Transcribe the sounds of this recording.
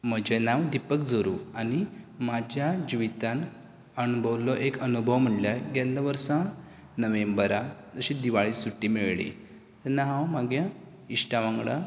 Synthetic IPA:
məd͡ʑenaʋd̪ipəkd͡zoɾṵːañimad͡ʑʱjad͡ʑiʋit̪an | ənubʱəʋlɔʔekənubʱəʋm̤əɳljaɡɛlːaʋəɾsã | nəʋẽmbəɾad͡zəɕid̪iʋaɭiːsuʈːimeɭɭḭ | t̪anːaɦãwmaɡja | iʂʈaʋãŋɡɽa̰

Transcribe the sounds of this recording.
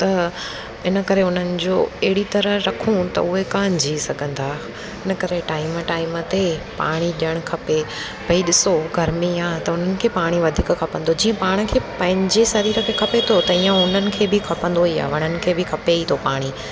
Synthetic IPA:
t̪ɐ | ɪnə̆kɐɾeʊn̤ənɪ̆d͡ʑoːɐɦɪɽit̪ɐɾəɾɐkʰũt̪ɐ̰ʊɦekãːɲd͡ʑʱisɐɡʱə̃nd̪aː | ɪnə̆kɐɾeʈaːɪməʈaːɪmət̪epa̰ːɽ̃iɗiəɽ̃kʰɐpe | bʱɐiɗɪsoɡʱɐɾmiaːt̪ɐʊn̤ənɪ̆kʰeːpaːɽ̃iʋɐd̪ʱiːkkʰɐpə̃nd̪od͡ʑiːə̃paːɽ̃ə̆kʰeːpɐ̃ɦɪ̃ɲd͡ʑesɐɾiːɾəkʰekʰɐpet̪ʰot̪ɐiːə̃ʊn̤ənɪ̆kʰeːbɪkʰɐpə̃nd̪oiːa̰ːʋɐɽ̃ənɪ̆kʰeːbʱɪkʰɐpeit̪ʰopaːɽ̃i

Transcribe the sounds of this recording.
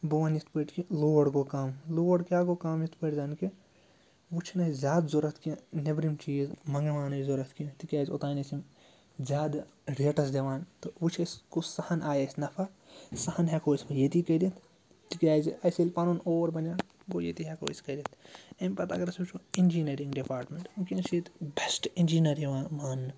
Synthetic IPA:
boʋɐnjit̪ʰpəʈkiloːʋɐɽɡokaːmloːʋɐɽkʲaːɡokaːmjit̪ʰpəʈzaːnki | ʋut͡ʃʰnɐizʲjaːd̪zoɾɐt̪ʰkijɐ̃nebɾimt͡ʃiːzmɐŋɡɐʋaːnɐizoɾɐt̪kijɐ̃t̪ikʲaːzot̪aːnɐsim | zʲaːd̪ | ɾeːʈɐs̬d̪eʋaːnt̪oʋut͡ʃʰeskosɐhɐnʔaːjɐsʲnɐfʰa | sɐhɐnɦekoːsmɐjet̪ikɐd̪it̪ʰ | t̪ikʲjaːjzɐjselʲpɐnunoːɐɾbɐnʲaː | ɡojet̪iɦeko̰ːisʲkɐd̪it̪ʰɐmʲpɐt̪a̰ːkɐɾɐsʋut͡ʃʰoind͡ʒiːneɾĩŋɡɖipaːɾʈmẽɳʈunkiɐnsit̪besʈind͡ʒiːnɐɾiʋãːmaːnːɨ

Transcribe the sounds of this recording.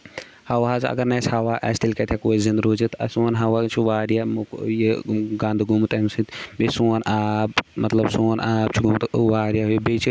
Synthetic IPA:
hɐwɦaːzɐ̰ɡɐɾnɛshawaʔɛːst̪ilkɛt̪ʰjekoːizĩnd̪ɾoːd͡ʒit̪ɐ̰sunɦawat͡ʃʰiʋaːɾjamkjeɡãːnd̪ɡumt̪ɐmsĩt̪besuːnaːb̚mɐt̪lɐbsoːnaːb̚t͡ʃʰiɡumt̪ʋaːɾjaɦbet͡ʃʰi

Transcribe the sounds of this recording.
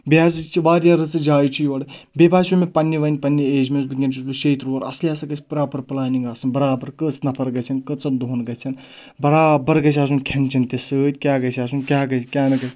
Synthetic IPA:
bʲaːzɨt͡ʃʰiʋaːɾʲjaːɾɨt͡sɨd͡ʒaːjt͡ʃʰijoːɽɨ | bʲebaːsumepɐnːiʋɐnʲpɐnʲːieːd͡ʒmʲesbɨɡʲɐnt͡ʃʰusbɨʃeːt̪ɾoːɾɐ̰sliaːsɐɡɐt͡ʃʰʲpɾaːpɐɾplaːniŋɡaːsɨnbɐɾaːbɐɾkət͡snɐpʰɐɾɡɐt͡ʃʰɐnkɨt͡sɐd̪ʱoːnɡɐt͡ʃʰɐn | bɐɾaːbɐɾɡɐt͡ʃʰʲaːs̬unkʲʰɐnt͡ʃʰɐnt̪ʲesɨːt̪ʲkʲaːɡɐt͡ʃʰaːs̬unkʲaːɡɐt͡ʃʰkʲaːnɨkɐ

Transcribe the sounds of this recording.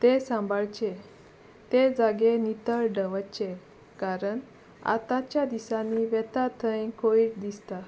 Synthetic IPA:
t̪esãmbʱəɭt͡ɕe | t̪ed͡zaɡenit̪əɭɖəʋət͡ɕe | kaɾəɳ | a̰t̪at͡ɕjad̪isanːiʋɛt̪at̪ʰəjkʰoiːʈd̪ist̪a

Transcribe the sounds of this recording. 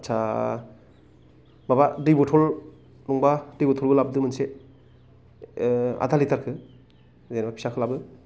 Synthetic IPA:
t͡ʃʰa | babadibɔtʰɔl | nɔŋbadibɔtʰɔlbɯlab̚dɯmɯnse | a̰dʰalitaɾkʰɯ | zajnbapʰi̥sakʰɯlabɯ

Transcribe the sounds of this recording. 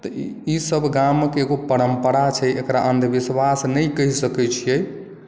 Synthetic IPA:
t̪ɔisəbʱɡamːekeeɡopəɾəmpəɾat͡ʃʰɛʔekɾaʔənd̪ʱbiswasnəjkəɦisəkɛt͡ʃʰijɛj

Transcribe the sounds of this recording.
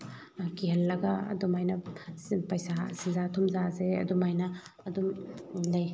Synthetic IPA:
kiɦɐlːɐɡɐɐ̰dumajnɐpɐjsasizatʰumzazeɐ̰dumajnɐːdumlɐj

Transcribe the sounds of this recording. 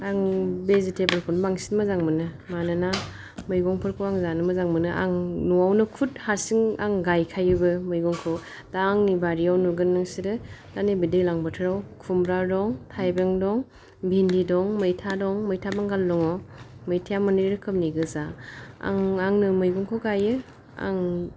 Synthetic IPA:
aŋbezitebɯlkʰɔnbaŋsinmɐzaŋmɯnɯ | manɯna | mɯjɡɔŋpʰɯɾkʰɯwaŋzanɯmɯzaŋmɯnɯʔa̰ŋnuawnɯkʰuthaɾsiŋaŋɡajkʰajɯbɯmɯjɡɔŋkʰɯw | taːŋnibaɾijawnuɡɯnːɯŋsiɾɯtanebidɯjlaŋbɯtʰɯɾawkʰumbɾadɔŋtʰajbeŋdɔŋ | bʱindidɔŋmɯjtʰadɔŋmɯjtʰabaŋɡalːɔŋɔmɯjtʰijamɔneɾɾɯkʰɯp̚niɡɯzaa̰ŋaŋnɯmɯjɡɔŋkʰɔwɡajɯ | a̰ŋ

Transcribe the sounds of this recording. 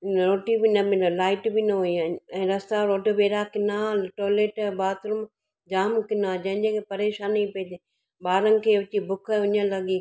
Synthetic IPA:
ɾoːʈibɪnɐbɪ̃laːɪʈbinɐɦuiɛ̃ːɾɐst̪aɾoːʈbeːɾakɪnaʈoːleːʈbaːt̪ʊɾʊm | d͡ʑaːmkɪnãd͡ʑɐ̃ɦɪ̃d͡ʑẽkʰepɐɾeːʃaːnipid̪e | ɓaːɾənɪ̆kʰeːʊt͡ɕibʊkʰʊɲəlɐɡiː

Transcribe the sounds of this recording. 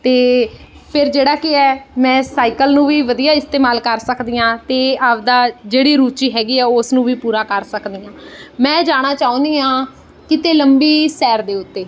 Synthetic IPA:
t̪eː | pʰɪɾd͡ʒeːɽaːkɪɛːmɛ̃ːsaːikəlnũːʋiːʋəd̪ijaːɪst̪eːmaːlkəɾsəkd̪iːãːt̪eːaːʋd̪aːd͡ʒeːɽiːɾuːt͡ʃiːɦɛːɡiːɛːʊsnũːʋiːpuːɾaːkəɾsəkd̪iːãːmɛ̃ːd͡ʒaːɽ̃aːt͡ʃaːõːnd̪iːãː | kɪt̪eːləmbiːsɛːɾd̪eːʊt̪ːeː

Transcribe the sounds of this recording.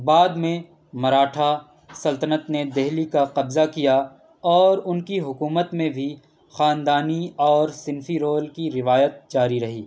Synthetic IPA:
baːd̪mẽ | mɐɾaːʈʰa | sɐlt̪ənət̪ned̪ɛɦlikaqɐbzakija | ɔːɾʊnkiɦʊkuːmət̪mẽbʱi | xaːnd̪aːniɔːɾsɪnfiɾoːlkiɾɪʋaːjət̪̚d͡ʒaːɾiɾɐɦiː

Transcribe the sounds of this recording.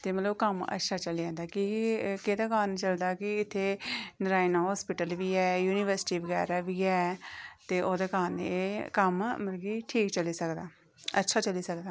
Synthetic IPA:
t̪eːmət̪ləbkəmə̰tːʃʰaːt͡ʃəlid͡ʒãːnd̪aːkiked̪aːkaːnt͡ʃəld̪aːkɪɪt̪ʰːeːnəɾaːinaːɦɔːspɪʈəlʋiːɛːjuːniʋəɾsɪ̥ʈiːʋəɡɛ̰ːɾaːʋiːɛːt̪eːʔoːd̪aːkaːnekəmməɾəɡiːʈʰiːkt͡ʃəliːsəkd̪aː | ətːʃʰaːt͡ʃəliːsək̚d̪aː

